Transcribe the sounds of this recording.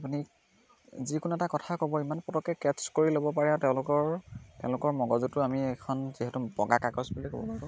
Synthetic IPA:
apuni | zikʊnuɛtakɔtʰakobɔimanpɔtɔkɛkɛskoɹilobɔpaɹɛãʊ̃tɛʊ̃lʊkɔɹtɛʊ̃lʊkɔɹmɔɡɔzutʊamiɛkʰɔnziɦɛtubɔ̰ɡakakɔsbulɔko̰bɔ̰paɡʊ̃

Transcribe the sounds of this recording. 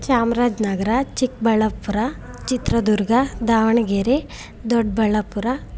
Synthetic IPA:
t͡ʃaːmɾaːd͡ʒnɐɡɐɾat͡ʃik̚bɐɭːɐpːuɾa | t͡ʃit̪ɾɐd̪uɾɡad̪aːʋɐɳɡeːɾe | d̪oɖbɐɭːɐpːuɾa

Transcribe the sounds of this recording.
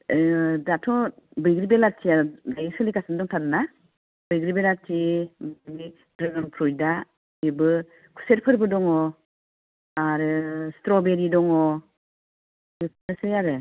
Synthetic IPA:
datʰɔbɯjɡɾibelatʰiaɾɯnajisɯlikasandɔŋtʰanna | bɯjɡɾibelatʰimni | dɾɯŋɯnpʰɾujda | ibɯ | kʰu̥seɾpʰɯɾbɯdɔŋɔ | aɾɯstɾɔbeɾidɔŋɔ | bɯpʰnɯsɯjaɾɯ

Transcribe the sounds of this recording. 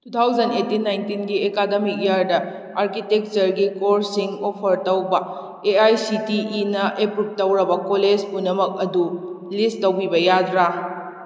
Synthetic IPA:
tut̪ʰawd͡ʒɐnetinːajntinɡiekademik̚jaɾdɐ | aɾkitek̚t͡ʃɐɾɡikoɾsiŋopʰɐɾtɐwbɐ | eajsitiʔːnɐʔepɾup̚tːɐwɾɐbɐkoled͡ʒpunɐmɐk̚ɐdulisttːɐwbibɐjadɾa

